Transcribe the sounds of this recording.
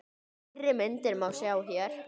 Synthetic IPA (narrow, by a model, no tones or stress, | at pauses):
ɾɪmɛnt̪ɪɾmawsjaːwçɛɾ̥